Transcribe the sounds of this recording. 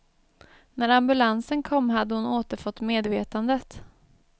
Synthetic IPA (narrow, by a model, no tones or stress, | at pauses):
næɾambɵlansənkʰɔmːɦad̪ːəhʊnoːt̪əɾfɔt̪ːmeːd̪veːt̪and̪ət̪